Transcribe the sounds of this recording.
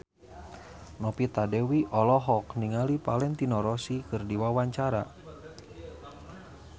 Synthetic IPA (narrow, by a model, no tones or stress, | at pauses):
nɔpit̪adɛwiʔɔlɔɦɔkniŋalipalɛŋt̪inɔɾɔsikɨrdiwawaɲt͡ʃaɾa̰